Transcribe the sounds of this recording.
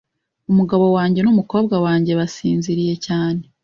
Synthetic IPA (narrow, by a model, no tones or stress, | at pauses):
umuɡaβo̞waːɲɟe̞numuko̞ːbɡawaːɲɟe̞βasiːnziɾije̞caːne̞